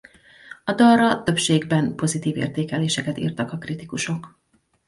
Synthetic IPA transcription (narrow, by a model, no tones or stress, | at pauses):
ɒd̪ɒrɒt̪ø̞pʃeːɡbɛnpo̞zit̪iːvḛːrt̪eːkɛleːʃɛkɛt̪ḭːrt̪ɒkɒkrit̪ikuʃo̞k